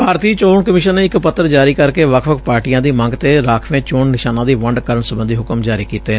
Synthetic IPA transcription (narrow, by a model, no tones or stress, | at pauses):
bʱaːɾt̪iːt͡ʃoːɳkəmɪːʃənːeːɪkpət̪ːəɾd͡ʒaːɾiːkəɾkeːʋəkʰʋəkʰpaːɾʈijãːd̪iːmə̃ŋɡt̪eːɾaːkʰʋẽːt͡ʃoɳnɪʃaːnãːd̪iːʋəɳɖkəɾəɳsəbənd̪iːɦʊkəmd͡ʒaːɾiːkiːt̪eː